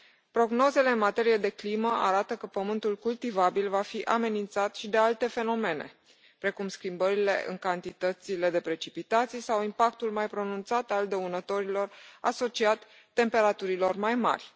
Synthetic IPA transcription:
pɾo̞ɡno̞ze̞le̞ɨnmat̪e̞ɾije̞d̪e̞kliməʔa̰ɾat̪əkəpəmɨnt̪ulkult̪ivabilvafiʔame̞nint̪sat̪ʃid̪e̞alt̪e̞fe̞no̞me̞ne̞̰ | pɾe̞kumskimbəɾile̞̰ʔɨ̰ŋkant̪it̪ət̪sile̞d̪e̞pɾe̞t͡ʃipit̪at̪sijesawimpak̚t̪ulmajpɾo̞nunt̪sat̪ald̪əunət̪o̞ɾilo̞raso̞t͡ʃiat̪ː | e̞mpe̞ɾat̪uɾilo̞rmajma̰rʲ

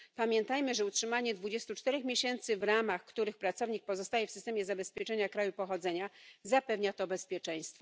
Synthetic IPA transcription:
pamʲjɛnt̪ajmɘʐɛutʂɘmaɲɛd̪vud͡ʑest̪ut͡ʂt̪ɛɾɛxmʲjeɕɛnt̪sɘvɾamaxkt̪uɾɘxpɾat̪sɔvɲik̚pɔzɔst̪ajɛfsɘst̪ɛmjɛzabɛspʲjɛt͡ʂɛɲakɾajupɔxɔd̪zɛɲazapɛvɲat̪ɔbɛspʲjɛt͡ʂɛj̃st̪fɔ

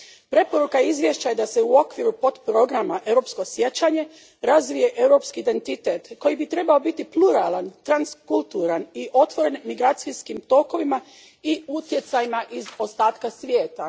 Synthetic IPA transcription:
pɾe̞po̞ɾukaizʋje̞ʃt͡ɕaje̞d̪ase̞uo̞kʋiɾupo̞t̪pɾo̞ɡɾamaʔe̞wɾo̞psko̞sje̞t͡ɕaɲe̞ | ɾazʋije̞ʔe̞wɾo̞pskiːd̪e̞nt̪it̪e̞t̪ko̞jibit̪ɾe̞bao̞bit̪ipluɾaːlˠant̪ɾanskulˠt̪uɾaniʔo̞t̪ʋo̞ɾe̞nmiɡɾaːt̪siskimt̪o̞ko̞ʋima | iut̪je̞t̪sajimaʔizo̞st̪aːt̪kasʋje̞ːt̪a

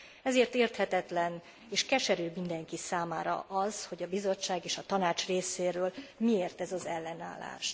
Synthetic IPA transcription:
ɛzeːrt̪eːrt̪hɛt̪ɛt̪lɛn | eːʃkɛʃɛɾøːmind̪ɛŋkisaːma̰ːɾɒ̰ʔɒzho̞ɟɒbizo̞t͡ʃːaːɡeːʃɒt̪ɒnaːt͡ʃreːseːɾøːlmieːrt̪ɛzɒzɛlːɛna̰ːlːa̰ːʃ

